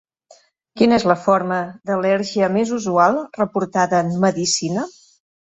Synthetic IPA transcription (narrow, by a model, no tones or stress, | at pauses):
kinəezləfoɾməd̪əlɛɾʒiəmezuzualˠrəpuɾt̪aðəːmməðisinə